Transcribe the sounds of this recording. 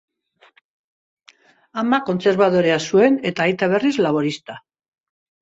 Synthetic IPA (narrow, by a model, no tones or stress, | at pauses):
amako̞nt͡se̞ɾβ̞að̞o̞ɾe̞asue̞ne̞t̪aːjt̪aβ̞e̞rizlaβ̞o̞ɾist̪a